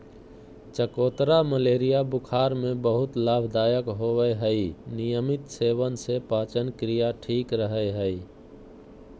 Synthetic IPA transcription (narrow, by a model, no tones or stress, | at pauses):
t͡ʃəkoːt̪ɾaməleːɾijabʊkʰaːɾmẽbəɦʊt̪laːbʱd̪aːjəkɦowəeɦəinijəmɪt̪seːwənsepaːt͡ʃənkɾijaʈʰiːkɾəɦəeɦəi